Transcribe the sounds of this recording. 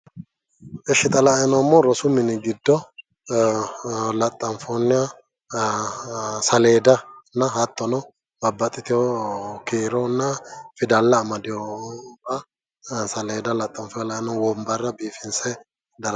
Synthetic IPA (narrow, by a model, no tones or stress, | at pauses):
ʔɛʃɪt̪ʼɐlɐɛnɔmːoɾɔsʊmɪnɪɡɪd̪ːɔ | lɐt̪ʼːɐɱfonːɪɐ | sɐleːd̪ɐnɐɦɐt̪ːɔnɔ | bɐbːɐt̪ʼɪt̪ɪɔkeːɾɔnːɐfɪd̪ɐlːɐːmɐd̪ɪoɐ | sɐleːd̪ɐlɐt̪ʼːɐmfɔjɐlɐɛnɔwɔmbɐrːɐbiːfɪnsɛ | d̪ɐɾ